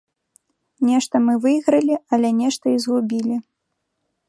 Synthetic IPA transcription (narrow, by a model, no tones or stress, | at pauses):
nʲɛʂt̪ɐmɨvɨjɣɾɐlʲiɐlʲɛnʲɛʂt̪ɐizɣubʲilʲi